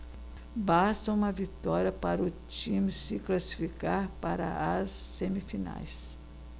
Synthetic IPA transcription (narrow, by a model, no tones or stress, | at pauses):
bast̪ɐũmɐvit̪ɔɾjɐpaɾʊ | t͡ʃĩmsɪklasi̥fikaɾpaɾɐ̰ɐsːemifina̰js